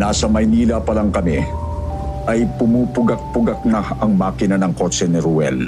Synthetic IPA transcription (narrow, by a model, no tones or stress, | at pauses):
naːsɐmɐjniːlɐpɐlaŋkɐmi | ʔɐjpʊmuːpʊɡɐk̚pʊɡɐk̚naɐŋmaːkɪnɐnɐŋkot͡ʃɛnɪɾʊwɛ̰l